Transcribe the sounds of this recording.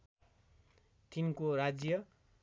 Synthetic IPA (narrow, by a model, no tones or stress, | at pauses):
t̪inkoɾad͡zjʌ